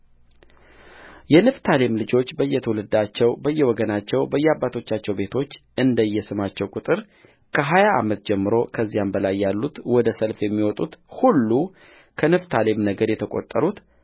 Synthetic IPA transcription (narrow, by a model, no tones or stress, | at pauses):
jɛnɨft̪ʰale̞mlɨd͡ʒo̞t͡ʃːbəɨjːɛt̪ʰəwulɨd̪at͡ʃːɛwbəjːɛwɔɡənat͡ʃːɛwbəjːɛabːat̪ʰo̞t͡ʃːat͡ʃːɛwbe̞t̪ʰo̞t͡ʃːɨnd̪əjːɛsɨmat͡ʃːɛwkʼut̪ʼɨɾ | kʰəɦajaʔa̰mət̪d͡ʒɛmːɨɾo̞kʰəzːijambəlajːalːut̪wɔd̪əsəlfjɛmːiwɔt̪ʼut̪hulːu | kʰənɨft̪ʰalemnəɡəɾjɛt̪ʰəkʼo̰t̪ʼːəɾut̪